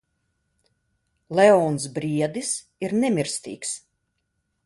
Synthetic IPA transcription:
lɛɔːnsbɾiɛd̪is | iɾnɛmʲiɾst̪ḭːks

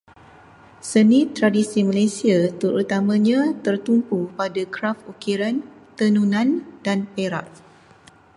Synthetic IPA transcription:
sənĩt̪ɾadisimalesiat̪əɾut̪amãɲãt̪ərt̪umpupadakɾafokiɾant̪ənunãndanpeɾa̰ʔ̚

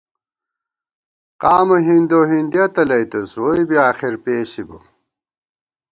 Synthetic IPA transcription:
qaːmɐɦind̪oːɦind̪iɐt̪ɐlɐjt̪ɐsojbiaːxiɾpeːɕibṵ

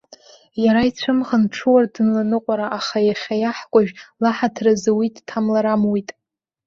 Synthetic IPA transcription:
jaɾait͡sʷʰɨmʁanʈ͡ʂʰɨwardɨnlanɨqʷʼaɾaʔaχajaχʲajaħkʷʼaʒᶣlaħatʰrazɨwitʼtʰamlaɾamwitʼ

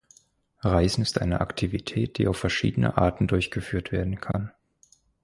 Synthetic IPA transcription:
ʁaɪzn̩ɪstʔa̰ɪnəʔaktʰivitʰɛːt̚d̥iːaʊfːɛɐʃḭːdənə̰ʔa̰ɐtn̩dʊɐçɡ̥əfyːɐtv̥eːɐdn̩kʰan

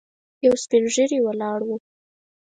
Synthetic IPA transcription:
jawspɪnʒəɾiwəlɑɽwu

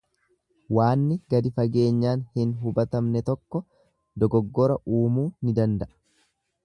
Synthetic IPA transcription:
waːnːɪɡɐd̪ɪfɐɡe̞ːɲːaːnhɪnɦʊbɐt̪ɐmnɛt̪ɔkːɔ | d̪ɔɡɔɡːɔɾɐuːmuːnɪd̪ɐnd̪ɐʔɐ̥

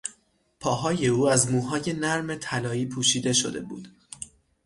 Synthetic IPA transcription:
pʰɒːɦɒːje̞uːæzmuːɦɒːje̞næɾme̞t̪ʰælɒːiːpʰuːʃiːd̪e̞ʃo̞̰d̪e̞̰bṵːd̪̥

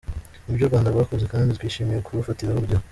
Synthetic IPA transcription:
ubɟoɾɡwaːndabɡaːkobze̞kaːnditɡwiːʃiːmijekuβufatiɾaβuɾɟo

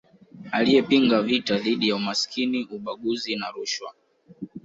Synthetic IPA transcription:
alijɛpiŋɡavitaðiɗijaumaskʰiniuɓaɠuzinaɾuʃwa̰

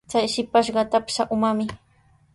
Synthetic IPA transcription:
t͡sajʃɪpaʃɢɑt̪apʃaʔʊmamɪ

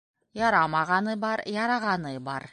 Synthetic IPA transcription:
jɑɾɑmɑʁɑnɤbɑɾjɑɾɑʁɑnɤbɑɾ

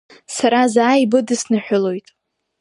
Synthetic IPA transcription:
saɾazaːibɨdɨsnɨħʷᶣʊlo̞jtʼ

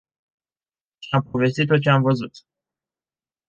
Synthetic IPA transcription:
t͡ʃampovest̪it̪ːot͡ʃeamvəzut̪

